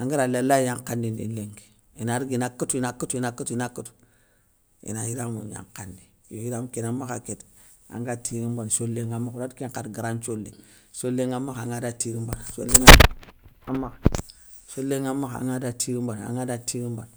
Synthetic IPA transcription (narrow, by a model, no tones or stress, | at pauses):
aŋɡiɾalalajaŋkandinḭnleŋɡe̥ | inaɾiɡinakutuinakutuinakutinakutu̥ | ḭnajiɾamṵja̰ŋkandijojiɾamukenamaxa̰ket | a̰ŋɡatiɾimbanʃolːeŋamaxudakeŋkadɡəɾant͡ʃolːḛ | ʃoleŋamːaxaŋɡadatiɾimbanaʃo̰leŋaamːak | ʃoleŋamaxa̰ŋɡadatiɾimbanaa̰ŋadatiɾimban